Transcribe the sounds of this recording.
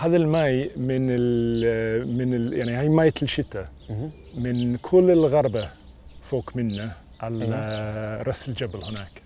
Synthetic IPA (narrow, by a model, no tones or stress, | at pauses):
haðəlmajmɪnɪl | mɪnɪljaʕnihajmajt̪ʰɪlʃɪt̪ːə | mɪnkʰʊlːɪlɣaɾˤbə | foːkmɪnːə | ʔal | ɾasɪld͡ʒabəlhʊnaːk